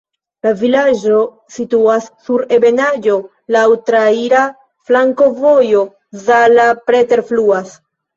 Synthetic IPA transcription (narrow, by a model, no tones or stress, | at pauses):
lavilad͡ʒo̞ | situasːuɾe̞be̞nad͡ʒo̞ | lawtɾaiɾa | flaŋko̞vo̞jo̞ | zalapɾe̞te̞ɾfluas